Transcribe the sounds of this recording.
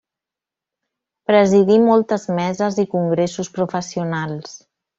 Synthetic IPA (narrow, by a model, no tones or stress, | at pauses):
pɾəziðimɔlˠt̪əzmɛzəzikuŋɡɾesuspɾufəsiunalˠs